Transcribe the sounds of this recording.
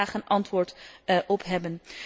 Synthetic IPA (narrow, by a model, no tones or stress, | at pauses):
aːχənʔɑntʋʊːɹtʔɔpɦɛbən